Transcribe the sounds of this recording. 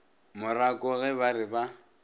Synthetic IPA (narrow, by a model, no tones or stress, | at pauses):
mʊrakʼɔʊɣɛβarɪba